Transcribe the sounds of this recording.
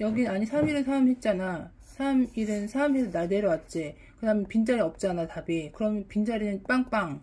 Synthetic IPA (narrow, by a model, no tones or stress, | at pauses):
jʌɡinɯnaɲisʰamiɾɯɭsʰamɦe̞t̚t͡ɕ͈ana | sʰamiɾɯnsʰamɦesʰʌnaɭdeɾʌwat̚t͡ɕ͈e | kɯdamjʌnpind͡ʑaɾiʌp̚t͡ɕ͈anatabikɯɾʌmjʌnpind͡ʑaɾinɯnp͈aŋp͈aŋ